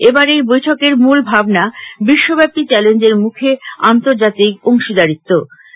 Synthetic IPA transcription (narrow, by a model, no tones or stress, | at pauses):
ebaɾejbojʈʰokeɾmulbʱabnabiʃːobɛpit͡ɕɛlend͡ʑeɾmukʰeant̪oɾd͡ʑat̪ikoŋʃid̪aɾit̪ːo